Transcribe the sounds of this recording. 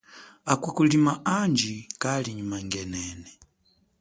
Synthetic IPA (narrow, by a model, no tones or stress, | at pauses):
akukulimaand͡ʒikaliɲumaŋɡɛnɛːnɛ